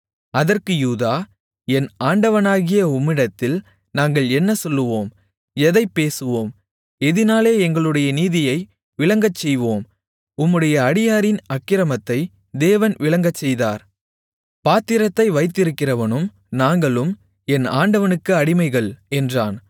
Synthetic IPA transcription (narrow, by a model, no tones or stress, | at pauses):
ɐðɐrkɯjuːðaː | ɛnaːɳɖɐʋɐnaːɣɪjɐʊmːɪɽɐt̪ːɪl | naːŋɡɐɭɛnːɐsɔlːɯʋoːm | ɛðɐɪpːeːsɯʋoːm | ɛðɪnaːleːɛŋɡɐɭɯɽɐjɐniːðɪjɐɪ | ʋɪɭɐŋɡɐt͡ʃːɛjʋoːm | ʊmːɯɽɐjɐːɽɪjaːɾɪnɐkːɪɾɐmɐt̪ːɐɪ | d̪eːʋɐnʋɪɭɐŋɡɐt͡ʃːɛjðaːɾ | paːt̪ːɪɾɐt̪ːɐɪʋɐɪt̪ːɪɾɯkːɪrɐʋɐnɯm | naːŋɡɐɭɯm | ɛnaːɳɖɐʋɐnɯkːɯɐɽɪmɐɪɣɐɭɛndraːn